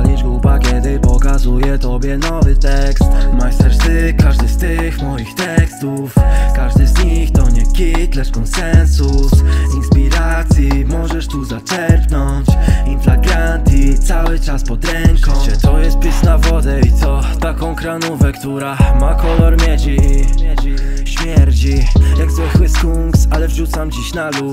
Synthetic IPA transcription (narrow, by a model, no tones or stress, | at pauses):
alʲiʐɡubaɡʲɛd̪ɛpɔkazujɛt̪ɔbʲjɛnɔvɘt̪ɛkst̪t̪majst̪ɛʐt̪ɘkaʐd̪ɘst̪ɪxmɔjixt̪ɛkst̪ufkaʐd̪ɘzɲixt̪ɔɲɛkʲit̪lɛʂkɔnsɛnsusinspʲiɾat̪sʲjimɔʐɛʂt̪uzat͡ʂɛɾpnɔ | t͡ɕinflaɡɾant̪it̪sawɘt͡ʂaspɔt̪ɾɛŋkɔt͡ɕɛt̪ɔjɛst̪̚pʲjisnavɔd̪ɛit̪sɔt̪akɔ̃w̃kɾanuvɛkt̪uɾamakɔlɔɾmʲjɛd͡ʑi | ɕmʲjɛɾt͡ɕijaɡzwɪxwɘskuŋksalɛvʐut̪samd͡ʑiɕnalu